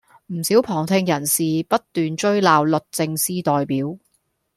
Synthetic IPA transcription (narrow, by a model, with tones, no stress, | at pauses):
m̩˨˩siː˨˥wpʰɔː˨˩ŋt̪ʰɪ˧ŋjɐ˨˩nsiː˨pɐ˥t̚t̪yː˨nt͡ʃɵ˥ɥlaː˨wlɵ˨t̚t͡sɪ˧ŋsiː˥t̪ɔː˨jpiː˨˥w